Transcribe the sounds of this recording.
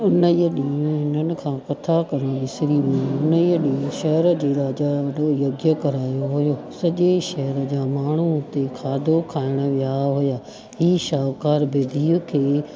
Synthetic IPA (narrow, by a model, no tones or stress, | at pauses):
ʊnəiəɗĩːũɦɪnənɪ̆kʰãːkɐt̪ʰakɐɾ̃õʋɪsɪɾiʋɪĩʊnəiəɗĩːũʃɐɦɾəd͡ʑeːɾaːd͡ʑaʋɐɗojoɡjəkɐɾaːjoɦʊjoːsɐʄeʃɐɦəɾəd͡ʑaːmaːɳ̤ut̪ekʰaːd̪ʱokʰaːɪɽ̃ə̆ʋɪjaɦʊjaː | ɦiːʃaːʋkaːɾbeːd̪ʱiːʊkʰeː